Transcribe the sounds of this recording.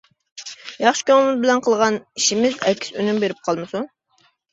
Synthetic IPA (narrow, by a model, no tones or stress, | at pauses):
jɑχʃɪ̥kʲʰøŋmɨzbɪlɛnqʰəlˠʁɑniʃimɪzɛkʲʰːsønymbeɾɪp̚qʰɑlˠmɨsu